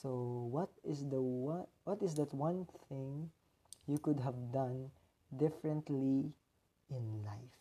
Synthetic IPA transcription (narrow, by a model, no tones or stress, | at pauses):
sowʌt̪ɪsd̪əwa | wʌt̪ɪsd̪at̪wʌ̃nθɪ̃ŋ | jukʊd̪ɦævd̪ãn | d̪ɪfɹɛ̃nt̪li | ɪ̃nlaɪf